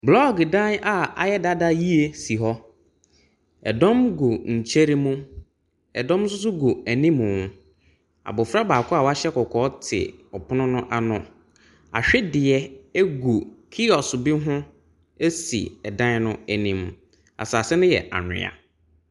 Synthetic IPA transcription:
blɔ˦ɡdã˦na˦a̰˨jɛ˦da˦da˦ji˦e˨si˨ɦɔ˦ | ɛ̰˨dɔ̃˦mɡo˨ɲ̩˨t͡ɕʰe˦ɾi˦mũ˦ | ɛ˨dɔ̃˦ms̬ʊ˦s̬ʊ˦ɡu˨æ˨nĩ˦mʊ̃˨ | a̰˨bʊ˨fɾa˦baː˨kʰʊ˦a˦˨wa˦ɕɛ˦kɔ˨kʰɔː˨˦tʰɪ̰˨ɔ˨pʰʊ˦nʊ̃˦nʊ̃˦ʔa˨nʊ̃˦ | a̰˨ɕᶣɪ˦dɪ˨ɛ˦e˦ɡu˨kʰi˦ɔ˨sʊ˨bi˦ɦʊ̃˦ | e˦sḭ˨ɛ˨dã˦nnʊ̃˦æ˨nĩ˦m˨ | a̰˨saː˨sɛ˦nʊ̃˦jɛ̰˨ʔa̰˨ɲᶣɪ̰̃˨a̰˨

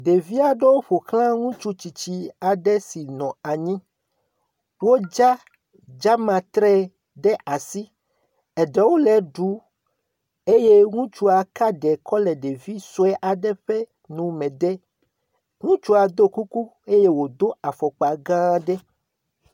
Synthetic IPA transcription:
ɖe˨vi˦a˨ɖe˦wo˦ɸo˨kl̃ã˦ŋũ˦t͡ʃu˦t͡ɕi˨t͡ɕi˦a˨ɖɛ˦si˨nɔ̃˨a˨ɲĩ˦ | wo˦d͡ʒa˦ | d͡ʒa˦mã˨t̪ɾɛ˦ | ɖɛ˦ʔa˨si˦ | ɛ˨ɖɛ˦wo˦lɛ˨ɖu˨˦ | e˦je˦ŋũ˦t͡ʃu˦a˨ka˦ɖɛ˨kɔ˦lɛ˨ɖe˨vi˦so˦ɛ˦ʔa˨ɖɛ˦ɸɛ˦ | nũ˨mɛ̃˨d̪ɛ˦ | ŋũ˦t͡ʃu˦a˨d̪o˦ku˦ku˦ | e˦je˦wo˨d̪o˦a˨fɔ˨k͡pa˨ɡã˦ɖɛ˦

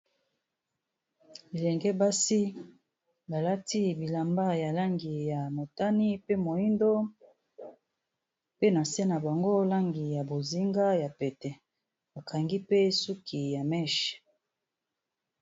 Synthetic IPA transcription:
i˨lɛ˨ŋɡɛ˦ba˦si˦ | ba˨la˦ti˦bi˨la˨mba˦ja˨la˦ŋɡi˨ja˨mo˨ta˦ni˦pe˦mo˨i˦ndo˦ | pe˦na˨sɛ˦na˨ba˨ŋɡo˦la˦ŋɡi˨ja˨bo˨zi˦ŋɡa˦ja˨pɛ˨tɛ˨ | ba˨ka˨ŋɡi˦pe˦su˦kʰi˨ja˨mɛ˦˨ʃ

